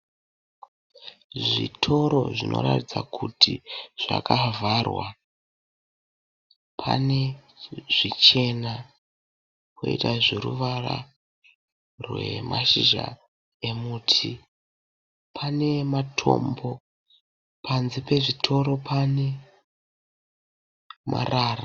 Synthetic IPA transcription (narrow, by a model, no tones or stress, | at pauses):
ʐḭtʰo̞ɾo̞ʐinʔo̞̰ɾatid͡zakʰutʰiʐ̥a̰kavʱarwa | pʰa̰ne̞ | ʐ̥it͡ʃe̞na | ko̰itaʐiɾṵʋara̰ | rwe̞̰maʃiʒa̰ | e̞muːtʰi | pʰane̞matʰo̞̰mbo̞ | pʰanzipe̞ʐitʰo̞ɾo̞pʰane̞ | mʔa̰raːra